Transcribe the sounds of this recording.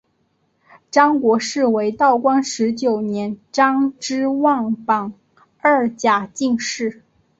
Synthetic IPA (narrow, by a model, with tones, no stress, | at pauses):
ʈ͡ʂɑ˥ŋkwɔ˧˥ʂɻ̩˥˩we˧˥ɪt̪ɑ˥˩ʊkwɑ˥ŋʂɻ̩˧˥t͡ɕjo˨˩ʊnjɛ˧˥nʈ͡ʂɑ˥ŋʈ͡ʂɻ̩˥wɑ˥˩ŋpɑ˨˩ŋ | ə˞˥˩t͡ɕja˨˩t͡ɕi˥˧ŋʂɻ̩˥˩